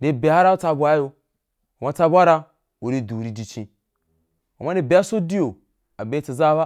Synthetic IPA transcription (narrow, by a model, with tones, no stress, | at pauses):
de˨be˨˦a˦ɾa˦u˦t͡sa˧bʷa˦jo˧ | a˨ma˦t͡sa˧bʷa˦ɾa˦ | u˨ɾi˦du˨ɾi˨di˨t͡ʃĩ˨ | a˨ma˦de˨be˨˦a˦so˦di˦jo˨ | a˨be˨˦t͡si˨za˦ba˦